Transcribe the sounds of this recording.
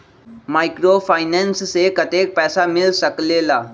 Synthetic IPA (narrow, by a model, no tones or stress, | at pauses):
maːɪkɾopʰaːɪnenssekɐt̪eːk̚pɛːsamɪlsəklelaː